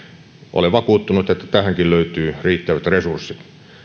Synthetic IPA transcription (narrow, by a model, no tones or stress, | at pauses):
ʔo̰leʋɑkuːt̪ːunut̪et̪ːæ̥t̪æhæŋkilløyt̪yːriːt̪ːæʋæt̪resursːit̪